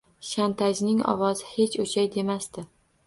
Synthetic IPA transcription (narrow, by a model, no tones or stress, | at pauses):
ʃant̪ʰad͡ʒnɪŋɒ̰wɒzɪhe̞t͡ʃot͡ʃʰajd̪e̞mast̪ɪ